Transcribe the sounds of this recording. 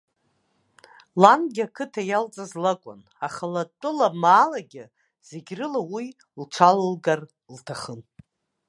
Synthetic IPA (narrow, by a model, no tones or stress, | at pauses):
lanɡʲakʰɨtʰajalt͡sʼazlakʷʼʊ̰n | aχalatʼɨlamaːlaɡʲɪ | z̥eɡʲrɨlawi | lt͡ʃʷʰallɡar | ltʰaχən